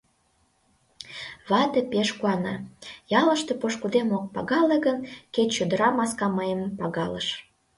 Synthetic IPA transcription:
βɑt̪ĕpeʃkuɑnɑjɑlə̆ʃt̪epoʃkud̪emok̚pɑɣɑleɣənket̪ʲt͡ɕød̪əɾɑmɑskɑməjəmpɑɣɑlə̰ʃ

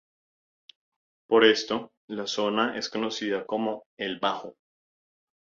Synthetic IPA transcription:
po̞ɾe̞st̪o̞ | laso̞naʔe̞sko̞no̞siðako̞mo̞elbaxo

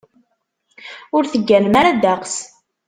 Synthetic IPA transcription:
ʊɾθəɡːælmaɾad̪æqs

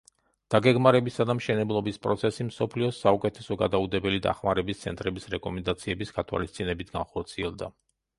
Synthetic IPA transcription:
d̪̥aɡɛɡmaɾɛbisad̪amʃɛnɛblˠɔbispʼɾɔ̰t̪sʰɛsimsɔpʰliɔsaukʼɛt̪ʰɛsɔɡad̪aud̪ɛbɛlid̪a̰χmaɾɛbist̪sʰɛnt̪ʼɾɛbisɾɛkʼɔmɛnd̪at̪sʰiɛbisɡat̪ʰwa̰list̪sʼinɛbit̪ʰɡanχɔɾt̪sʰiɛlˠd̪a̰

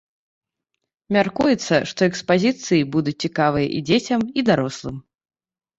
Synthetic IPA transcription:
mʲarkujɛt̪sːɐʂt̪ɔɛkspazʲit̪sɨjibud̪ut͡sʲt͡sʲikavɨjɐ̰ʔḭd͡zʲet͡sʲɐmid̪aɾɔslˠɨm

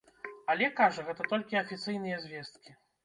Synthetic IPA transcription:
ɐlʲɛkaʐɐɣɛt̪ɐt̪ɔlʲkʲiɐfʲit̪sɨjnɨjɐzʲvʲɛst̪kʲi

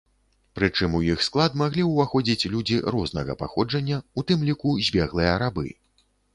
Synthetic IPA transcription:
pɾɨt͡ʂɨmujixsklˠad̪maɣlʲiwvaxɔd͡zʲit͡sʲlʲud͡zʲiɾɔznɐɣɐ̰paxɔd͡ʐɐnʲːɐut̪ɨmlʲikuzʲbʲɛɣlˠɨjɐɾabɨ̰

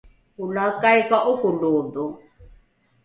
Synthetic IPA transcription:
ulakajkaʔukuloːdu

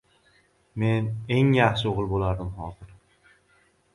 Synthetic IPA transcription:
me̞ne̞ŋjaχʃɪoʁɨlˠbolaɾd̪ɪmχɒːzɪɾ

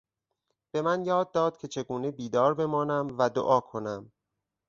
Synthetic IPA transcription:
b̥e̞mænjɒːd̪ːɒːd̪̥̚cʰe̞t͡ʃʰe̞ɡuːnebiːd̪ɒːɾbe̞mɒːnæmvæd̪o̰ʔɒːkʰo̞næm

